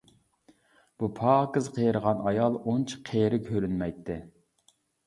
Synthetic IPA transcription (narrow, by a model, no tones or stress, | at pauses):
b̥upʰɑːkɨzqʰejɾəʁɑnɑjɑlˠont͡ʃʰi̥qʰeːɾɪkʲʰøɾynmɛjt̪ʰːɪ